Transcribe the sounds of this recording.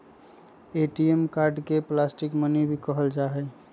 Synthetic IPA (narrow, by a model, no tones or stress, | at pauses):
eʈiemkaɾɖkeplasʈikmənebʱikəɦəld͡ʒaɦɛ